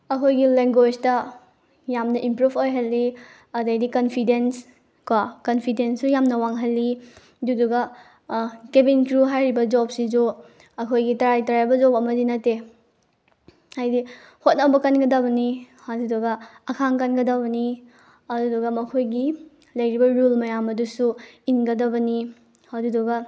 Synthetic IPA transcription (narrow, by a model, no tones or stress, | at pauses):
ɐkʰojɡileŋɡwed͡ʒtɐ | jamnɐʔimpɾubʰojɦɐlːi | ɐdɐjdikɐnpʰidens | kwakɐnpʰidensujamnɐwaŋɦɐlːi | duduɡɐ | kebinkɾuɦajɾibɐd͡ʒɔp̚sid͡ʒu | ɐkʰojɡitɐɾajtɐɾajbɐd͡ʒɔpɐmɐdinɐtːe | hajdi | hot̚nɐbɐkɐnɡɐdɐbɐni | hɐduduɡɐɐkʰaŋkɐnɡɐdɐbɐni | ɐdudɔɡɐmɐkʰojɡi | lɐjɾibɐɾulmɐjamɐdusuinɡɐdɐbɐni | hɐdudɔɡɐ